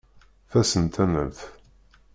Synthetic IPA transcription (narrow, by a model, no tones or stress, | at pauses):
θæsənt̪æmə̰mθ